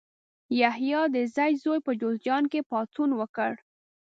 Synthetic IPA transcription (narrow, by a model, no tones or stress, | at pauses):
jahjɑd̪əzajzojpəd͡ʒozd͡ʒɑnkepɑt̪unwəkəɽ